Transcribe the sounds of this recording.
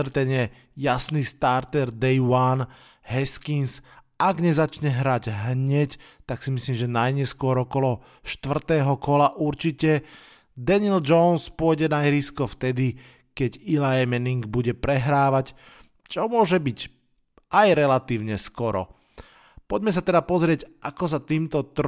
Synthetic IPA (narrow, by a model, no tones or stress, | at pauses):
ɾt̪ɛnjɛ | jasnist̪aɾt̪ɛɾd̪ɛjwan | ɦɛskins | aɡɲɛzat͡ʃɲɛɦɾaɟɦɲɛct̪aksimisliːmʒɛnajɲɛskʊɔɾɔkɔlɔ | ʃt̪ʋr̩t̪ɛːɦɔkɔlaʔuɾt͡ʃicɛ | d̪ɛnild͡ʒɔnspʊɔjɟɛnaɦiɾiskɔft̪ɛd̪i | kɛɟilaɛmɛniŋɡbuɟɛpɾɛɦɾaːʋac | t͡ʃɔmʊɔʒɛbic | ʔajɾɛlat̪iːʊɲɛskɔɾɔ̰ | pɔɟmɛs̬at̪ɛd̪apɔzɾɪɛɟʔakɔs̬at̪iːmt̪ɔt̪ɾ